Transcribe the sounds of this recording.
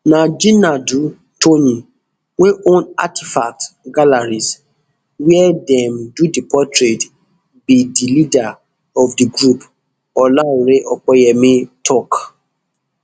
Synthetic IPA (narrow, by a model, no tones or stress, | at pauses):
nãd͡ʒĩnadu | tʰonĩ | weʔõna̰tʰifak̚tɡalaɾis | wɛɛdɛmdudipʰɔtɾet | bidilida | ɔfdiɡɾup | ɔlauɾeʔɔk͡pɔjɛmĩtʰɔk